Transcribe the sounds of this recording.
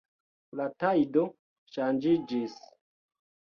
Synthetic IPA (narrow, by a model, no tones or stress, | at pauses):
latajdo | ʃand͡ʒid͡ʒis